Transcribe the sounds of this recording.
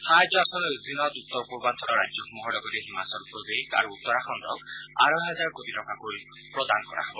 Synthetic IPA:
hajd͡ʒaɾsɔnɔbut̪inɔt̪ut̪ːɔɾɔpuɾbant̪ʰɔɾɔɾa̰d͡ʒjɔkumɔɦɔɽɔɡɔɾeɦimasɔɾupɾɔb̪eka̰ɾuut̪ːɔɾakʰɔnd̪ɔ̰k | a̰ɾɔɦad͡ʒaɾkobiʈɔkakoɾi | pɾɔd̪anɔkɔɾa̰ɦɔbɔ

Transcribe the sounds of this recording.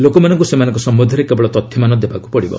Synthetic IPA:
lokɔmanɔŋkusemanɔŋkɔsɔmːud̪ʱaɾekebɔɭɔt̪ɔt̪ʰːjɔmanɔd̪ebaku̥pɔɽibɔ̰

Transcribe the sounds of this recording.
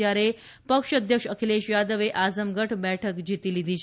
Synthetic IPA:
aɾe | pəkʂəd̪ʱjəkʂəkʰileɕjad̪əʋeʔad͡zəmɡəʈʰbɛʈʰəkd͡ʑit̪ilid̪it͡ɕʰ

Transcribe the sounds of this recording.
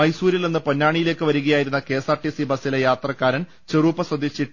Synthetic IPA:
ɐjsuːɾilnenːɨponːaːɳijile̞ːkːɨʋɐɾuɣɐjaːjiɾunːɐke̞ːsaːrʈisibɐsilejaːt̪rɐkːaːɾɐn | t͡ɕeruːpːɐswɐd̪iɕi

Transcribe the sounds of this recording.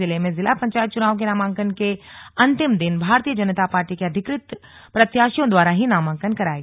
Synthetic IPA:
ɪlemẽzɪlapɐ̃ɲt͡ʃaːjt̪̚t͡ʃʊnaːʋõk̬enaːmãːŋkənkeɐ̃nt̪ɪmd̪ɪnbʱaːɾt̪ijəd͡ʒɐnət̪apaːɾʈikeɐd̪ʱɪkɾɪt̪ | pɾɐt̪jaːʃjõd̪waːɾaɦinaːmãːŋkənkɐɾaːeɡ

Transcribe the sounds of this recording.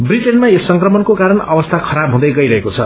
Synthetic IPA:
briʈenmaesʌŋkrʌmʌnkokaɾʌnʌbʌst̪ʰakʰʌɾabɦũd̪ʌjɡʌiɾʌɦekot͡sʰʌ̰

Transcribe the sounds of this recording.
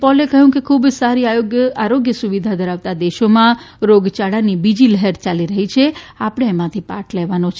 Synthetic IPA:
pɔlekəɦjũkekʰubsaɾiajoɡjəaɾoɡjəsuʋid̪ʱad̪ʱəɾaʋt̪ad̪eʃomã | ɾoɡt͡ʃaɽanibid͡ʒiləɦeɾt͡ʃaliɾəɦit͡ʃʰeapəɽ̃eːmãt̪ʰipaʈʰleʋanot͡ʃʰe

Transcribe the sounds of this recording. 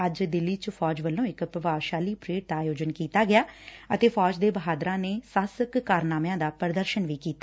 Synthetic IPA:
əd͡ʒd̪ɪlːiːt͡ʃəpʰɔːd͡ʒʋəlːõːɪkpɾəʋaːʋʃaːliːpɾeːʈ̚d̪aːjoːd͡ʒənkiːt̪aːɡɪjaːət̪eːfʰɔːd͡ʒd̪eːbəɦaːd̪ɾãːneːsaːsəkːaːɾnaːmjãːd̪aːpəɾd̪əɾʃənʋiːkiːt̪aː

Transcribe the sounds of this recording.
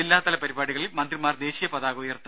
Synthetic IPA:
ilːaːt̪ɐlɐpɐɾibaːɽiɣɐɭilmɐnd̪rimaːrd̪e̞ːɕijɐpɐðaːɣoːjɐrt̪ːɐ

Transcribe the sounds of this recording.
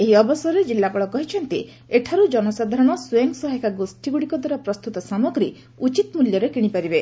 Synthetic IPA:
eɦiɔbɔsɔɾed͡ʒilːakɔɭɔkɔɦit͡ʃʰɔnt̪i | eʈʰaɾud͡ʒɔnɔsad̪ʱaɾɔɽ̃ɔsueŋsɔɦɔekʰaɡosʈiɡuɽikɔd̪waɾɔpɾɔst̪ut̪ɔsamɔɡɾi | ut͡ʃit̪ɔmuljɔɾekiɽ̃ipaɾibe

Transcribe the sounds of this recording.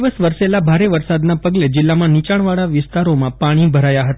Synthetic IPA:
ʋəsʋəɾselabʱaɾeʋəɾsad̪napəɡled͡ʒɪlːamãnit͡ʃaɽ̃ʋaɭaʋɪst̪aɾomãpaɽ̃ibʱəɾajaɦət̪

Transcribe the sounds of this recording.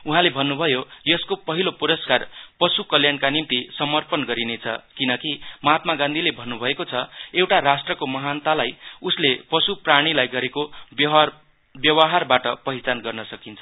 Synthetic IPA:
uɦãlebʱʌnːubʱʌjojʌskopʌɦilopuɾʌskarpʌsukʌljankanimt̪isʌmʌrpʌnɡʌɾinet͡sʰʌ̰kinʌkimʌɦat̪̚maɡãnd̪ʱilebʱʌnːubʱʌekot͡sʰʌewʈaɾasʈrʌkomʌɦant̪alajuslepʌsupraɽ̃ilajɡʌɾeko | bjʌwaɦarbaʈʌpʌɦit͡sanɡʌrnʌsʌkint͡sʰʌ

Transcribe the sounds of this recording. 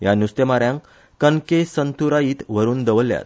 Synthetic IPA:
janust̪emaɾjãŋk | kənkesənt̪ʰuɾajiːt̪ʋəɾuːnd̪əʋəlja̰t̪̚

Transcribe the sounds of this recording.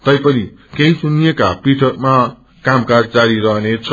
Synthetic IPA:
t̪ʌjpʌnikeɦisunijekapiʈʰʌk̚ma | kamkaɾd͡zaɾiɾʌɦnet͡sʰʌ

